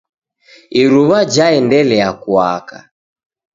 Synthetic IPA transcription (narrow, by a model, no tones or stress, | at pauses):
iɾuβad͡ʒaɛndɛlɛakwa̰ka̰